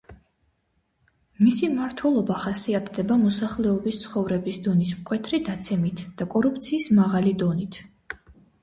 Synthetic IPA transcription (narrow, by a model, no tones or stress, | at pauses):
misimaɾt̪ʰwɛlˠɔbaχasiat̪ʰd̪ɛbamɔsaχlɛɔbist̪sʰχɔvɾɛbisd̪ɔnismkʼwɛt̪ʰɾid̪at̪sʰɛmit̪ʰd̪̥akʼɔɾupʰt̪sʰiːsmaʁalid̪ɔnit̪ʰ